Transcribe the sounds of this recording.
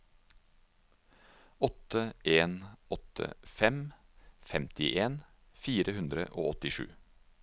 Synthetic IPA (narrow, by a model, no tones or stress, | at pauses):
ɔt̪əʔeːnɔt̪ʰə̰fɛmfɛmt̪ɪʔeːn | fiːɾəhʉnd̪ɾə̰ʔo̰ːɔt̪ɪʃʉ̰ː